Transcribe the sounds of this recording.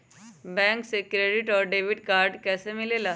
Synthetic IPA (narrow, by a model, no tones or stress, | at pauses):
bɛ̃ːŋksekɾeɖɪʈɔːɾɖeːʋɪɖkaːɾɖkɛːsemɪlelaː